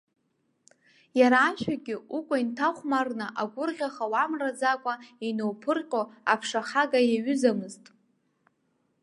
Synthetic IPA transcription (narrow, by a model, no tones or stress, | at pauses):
jaɾaːʃᶣaɡʲɪukʷʼaintʰaχʷmarnɨʔaɡʷʊrʁʲaχawamrad͡zakʷʼainowpʰɨrqʲʼoapʰʂaχaɡajaɥʏzamɨztʼ